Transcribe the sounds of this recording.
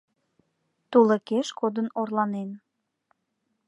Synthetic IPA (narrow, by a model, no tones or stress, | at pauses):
t̪uləkeʃkod̪ənorlɑnen